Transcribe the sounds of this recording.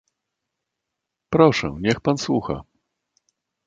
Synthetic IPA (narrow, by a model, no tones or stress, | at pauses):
pɾɔʂɛ̰̃ɲɛxpanswuxa̰